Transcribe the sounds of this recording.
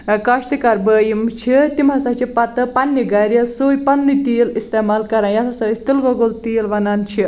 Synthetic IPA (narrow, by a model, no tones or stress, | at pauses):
kɐʃt̪ikɐɾbəːjimt͡ʃʰit̪imɐsɐt͡ʃʰipɐt̪ɨpɐnːiɡɐɾjɐsoːjpɐnːit̪iːlist̪emaːlkɐɾãːjɐt̪ʰɐsɐst̪ilɡoɡolt̪iːlʋɐnaːnt͡ʃʰi